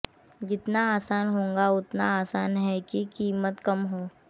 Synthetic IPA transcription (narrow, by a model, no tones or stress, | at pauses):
d͡ʒɪt̪naaːsaːnɦõːŋɡaʊt̪naaːsaːnɦɛkikiːmət̪kɐmɦoː